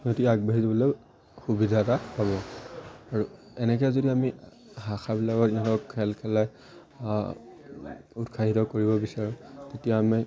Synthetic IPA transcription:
notiaɡ̚baɦizɔbɔloj | xubidʱatapaβɔ | aɹu | ɛnɛk̬ɛzodiami | ɦaxʰabilakɔtinɔtɔkkʰːɛlkʰɛlaj | utkʰaɦitɔkoɹibɔbisaɹũtetijami

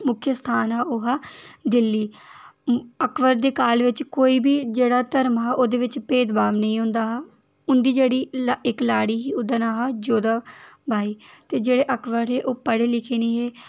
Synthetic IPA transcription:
mʊkʰjəst̪ʰaːnɦaːʊɦaːd̪ɪlːiː | əkʋəɾd̪eːkaːlʋɪt͡ʃkoːiːbiːd͡ʒeːɽaːt̪əɾmɦaːʔoːd̪eːʋɪt͡ʃpeːd̪baːʋnəĩːɦʊ̃nd̪aːɦaː | ʊnd̪iːd͡ʒeːɽiːɪklaːɽiːɦiːʊd̪ənaːɦaːd͡ʒoːd̪aːbʱaːiːt̪eːd͡ʒeːɽeːʔəkʰʋəɾɦeːʔoːpəɽeːlɪkʰeːnẽːɦeː

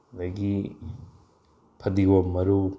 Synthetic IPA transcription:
dɐɡi | pʰɐdiɡomɐɾu

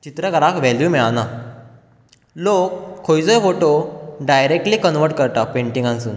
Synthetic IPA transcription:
t͡ɕit̪ɾəkəɾakʋɛljumiɭana | lokʰːojd͡zɔjfoʈoɖajɾek̚ʈliːkənʋəɾʈ̚kəɾt̪apẽɳʈĩŋɡãnt͡suːn

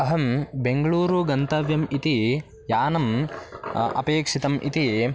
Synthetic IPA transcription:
ɐɦɐmbeŋɡɐɭuːɾuɡɐnt̪ɐʋjɐmit̪i | jaːnɐm | ɐ̰peːkʂit̪ɐmʔḭt̪i

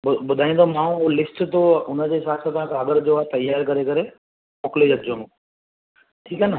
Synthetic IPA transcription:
ʊbʊd̪ʱaːĩnd̪omãːũlɪsʈt̪oʊnə̆d͡ʑeːsaːsət̪ãkʰãɐɡəɾd͡ʑoːat̪ɐjaːɾkɐɾekɐɾe | moːkled͡ʑɐɡd͡ʑõnũ | ʈʰiːkaːnə

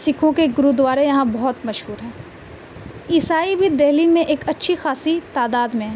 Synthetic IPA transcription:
sɪkʰõkeɡʊɾud̪ʋaːɾejɐɦãbɐɦʊt̪mɐʃɦuːɾɦɛ̃ː | ɪsaːibʱid̪ɛɦlimẽʔeːkɐtːʃʰixaːsit̪aːd̪aːd̪mẽɦɛː

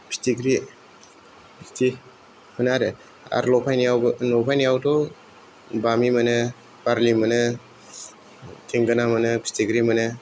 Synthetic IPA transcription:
pʰi̥stiɡɾi | pʰi̥sti | hʰɯnaɾɯ | a̰ɾlɔpʰajnijawbɯnɔpʰajnijawtɔ | bamimɐnɯ | paɾlimɐnɯ | tʰeŋɡɯnamɐnɯbʰi̥stiɡɾimɐnɯ

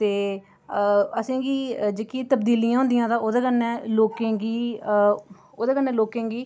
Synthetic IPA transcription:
t̪eː | əsẽːɡiːd͡ʒeːkiːt̪əbd̪iːlijãːɦʊ̃nd̪ijãːd̪ãːoːd̪eːkənːɛːloːkẽːɡiː | oːd̪eːkənːɛ̃ːloːkẽːɡiː

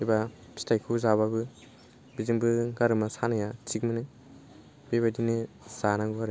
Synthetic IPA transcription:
ibapistajkʰuzaβabɯ | biziŋbɯɡaɾɯmasanajat͡ʃik̚mɯnɯ | b̥eβajdini | z̥anaŋɡuaɾe

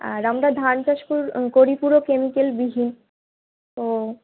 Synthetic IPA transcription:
aɾamɾad̪ʱant͡ɕaʃpuɾkoɾipuɾokemikelbiɦin | o

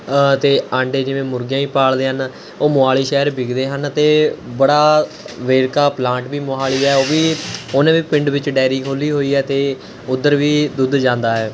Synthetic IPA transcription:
t̪eːãːɳɖeːd͡ʒɪʋẽːmʊɾɡjãːiːpaːɭd̪eːɦən | oːmʊaːliːʃɛːɾbɪɡd̪eːɦənt̪eːbəɽaː | ʋeːɾkaːplãːɳʈʋiːmoaːɭiːɛːoːʋiːʊnãːʋiːpɪ̃ɳɖʋɪt͡ʃɖɛːɪɾiːkʰoːliːɦoːiːɛːt̪eː | ʊd̪əɾʋiːd̪ʊd̪d͡ʒãːnd̪aːɦɛː

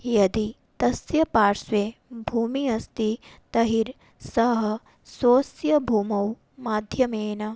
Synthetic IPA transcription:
jɐd̪i | t̪ɐsjɐpaːɾsʋeːbʱuːmiɐst̪it̪ɐɦiɾ | sɐɦɐ̆ | soːsjɐbʱuːmɐw | maːd̪ʱjɐmeːnɐ

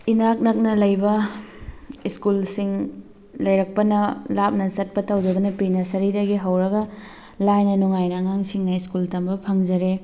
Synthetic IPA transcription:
inak̚nɐk̚nɐlɐjbɐ | iskulsiŋ | lɐjɾɐk̚pɐnɐlap̚nɐsɐt̚pɐtɐwdɐɡɐnɐpinɐsɐɾidɐɡiɦɐwɾɐɡɐ | lajnɐnuŋajnɐŋaŋsiŋnɐiskultɐmbɐpʰɐŋd͡ʒɐɾe

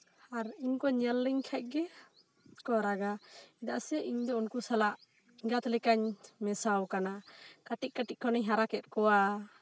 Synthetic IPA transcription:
aɾiɲkɔɲjalːiɲkʰac̚ˀɡɛ | kɔɾaɡaid̪aʔsɛʔiɲd̪ɔunkusalaʔ | iɡat̪ɔlɛkaɲmɛsawkanakaʈiʔ̚kaʈiʔ̚kʰɔnɛɲɦaɾakɛt̪̚ˀkɔwa

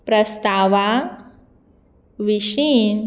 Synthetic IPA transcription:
pɾəst̪aʋa | ʋiɕin

